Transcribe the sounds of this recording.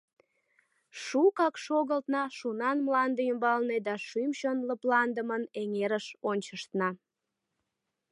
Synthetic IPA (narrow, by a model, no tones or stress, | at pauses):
ʃukɑkʃoɣəlt̪nɑʃunɑnmlɑnd̪eymbɑlned̪ɑʃymʃonləplɑnd̪əməneŋeɾəʃonʲt͡ɕəʃt̪nɑ